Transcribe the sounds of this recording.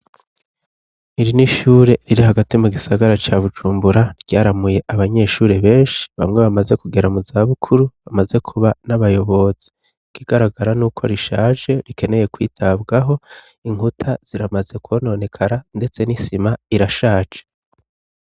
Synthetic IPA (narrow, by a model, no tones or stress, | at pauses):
iɾiniʃuːɾe̞ɾiɾiɦaɡatimuɡisaɡaɾat͡ʃaβud͡ʒuːmbuɾaɾɟ̥aːɾamuje̞ʔaβaɲe̞ːʃuːɾe̞βe̞ːnʃi̥βa̰mŋe̞βamaze̞kuɡe̞ɾamuzaβukʰuɾuβamaze̞kʰuβanaβajo̞βo̞z̥i̥ | kʰiɡ̥aɾaɡaɾanuːkʰo̞̰ɾiʃaːd͡ʒe̞ɾike̞ne̞je̞kwḭːtʰabɡaɦo̞ | iŋutʰaz̥iɾamaze̞kwono̞ne̞kʰaɾande̞t͡se̞nisimaiɾaʃaːt͡ʃe̥